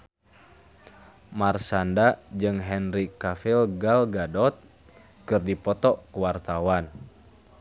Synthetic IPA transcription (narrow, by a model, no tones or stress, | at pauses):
marsandad͡ʒɨŋɦɛnrikafilɡalɡadɔt̪̚ | kɨrdipɔt̪ɔkuwart̪awan